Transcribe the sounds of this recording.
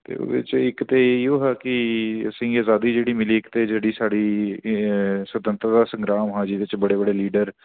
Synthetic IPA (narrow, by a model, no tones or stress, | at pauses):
t̪ḛːo̰ːd̪ɪ̰t͡ʃɪkt̪eːioːɦɛːkɪəsĩːaːzaːd̪iːd͡ʒeːɽiːmɪliːɪkt̪eːd͡ʒeːɽiːsaːɽiː | swət̪ənt̪ɾəd̪aːsə̃ŋɡɾaːmɦãːd͡ʒiːʋɪt͡ʃbəɽeːbəɽeːliːɖəɾ